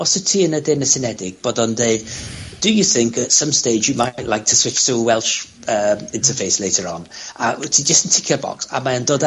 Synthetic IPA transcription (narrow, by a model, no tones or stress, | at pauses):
ɔsətʰiːənədɪnəsɪnɛdɪɡ̥̚b̥ɔdənðeɪd̥əjəθɪ̃ŋkʰətsə̃msteɪd͡ʒjəmaɪʔlaɪk̚tʰəswɪt͡ʃsuwɛlˠʃ | əmɪ̃ntʰəfeɪsleɪtʰəɹɔ̃nʔatʰid͡ʒəstən̩tʰɪkʰjəbɔ̰ksa̰maə̃ndoːd